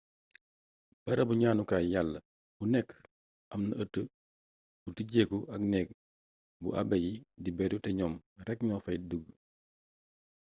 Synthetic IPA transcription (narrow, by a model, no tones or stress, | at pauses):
b̥ɐɾɐbuɲaːnukaːjalːə | bunɛkː | ʔɐmnɐətːə | butiɟeːkuʔɐknɛk̚ | bṵʔa̰bɛjidibɛɾutɛɲɔːmɾɛkɲɔːfɐjduɡ